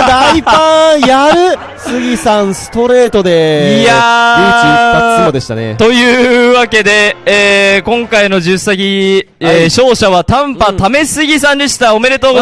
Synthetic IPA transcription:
d̪aipãjaɾɯ̟ | sɨɡʲisãɰ̃sɨ̥t̪o̞ɾe̞ːt̪o̞d̪e̞jaɯiaoːd̪e̞ɕi̥t̪a̰nḛt̪o̞jɯ̟ːβake̞d̪e̞eːkõ̞ŋkaino̞ʑɨsaɡʲi | eːɕo̞ːɕaβ̞at̪ãmpat̪ame̞sɨɡʲisãnd̪eɕi̥t̪ao̞me̞ɾe̞t̪oːɡ

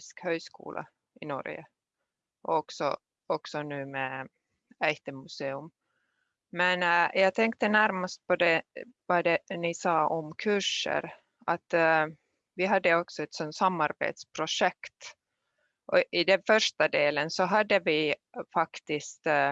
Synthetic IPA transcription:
skhøːskṵːlʔa̰ | ɪnɔ̰ɾjə̰ | ʔɔɔksɔ̰ | ɔksɔnʉ̟ːmɛ | ɛjt̪əmʉseːɵm | mɛnjɑːɡt̪ʰɛŋk̚t̪ənæɾmast̪̚pʰɔd̪ɛvad̪ɛnɪsɑːʔɔmkʰʉʂə̰ɾ | at̪ | vɪɦad̪ːəɔksɔɛt̪sɔnt̪samːaɾbḛːt̪spʰɾʊʂɛkt̪ | ʔɔɪd̪ɛnfœʂʈad̪eːlənsɔɦad̪ːəvɪfakt̪ɪst̪

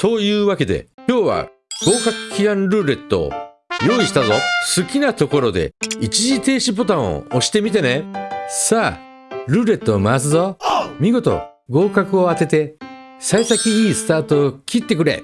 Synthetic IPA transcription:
t̪o̞jɯ̟ːβake̞d̪e̞̰kʲo̞ːβa̰ | ɡ̥o̞ːkakɯ̟̥kʲiɡãnɾɯ̟ːɾe̞t̪ːo̞̰ː | jo̞ːiɕi̥t̪azosɨkʲinat̪o̞ko̞ɾo̞d̪e̞̰it͡ɕiʑit̪e̞ːɕipo̞t̪ão̰oɕi̥t̪e̞mʲit̪anesaː | ɾɯ̟ːɾe̞t̪ːo̞ːmas̬ɨzo̞mʲiɡo̞t̪o̞̰ | ɡo̞ːkakɯ̟o̞at̪e̞t̪e̞saisakʲiiːsɨ̥t̪aːt̪o̞ːkʲit̪ːe̞kɯ̟ɾe̞̰

